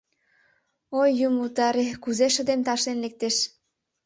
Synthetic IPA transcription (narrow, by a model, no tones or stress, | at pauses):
ojːumut̪ɑɾekuzeʃə̆d̪emt̪ɑʃlenlek̚t̪eʃ